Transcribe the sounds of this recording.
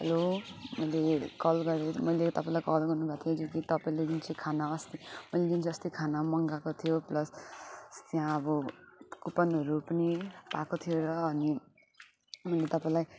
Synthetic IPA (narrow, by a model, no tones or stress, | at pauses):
ɦʌlomʌjlekʌlɡʌɾemʌjlet̪ʌpaĩlajkʌlɡʌrnubʱat̪ʰijod͡zokit̪ʌpaĩled̪int͡sʰikʰanaʌst̪imʌjledint͡sʰiʌst̪ikʰanamʌŋɡakot̪ʰijoplʌsst̪jãʌbʌkupʌnɦʌɾupʌnipakot̪ʰijoɾʌːni | mʌjlet̪ʌpaĩlaj